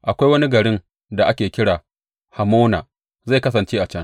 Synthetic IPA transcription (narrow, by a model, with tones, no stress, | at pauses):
ʔa˨kʷa˦jwɐ˦ni˦ɡɐ˨ɽɪ˦ŋ | da˨ʔa˦kʲeː˨kʲɪ˦ɽaː˨ | ha˨moː˦naː˨ | za˦˨kɐ˦sɐ˨nt͡ʃeː˦ʔa˨t͡ʃɐ˦ŋ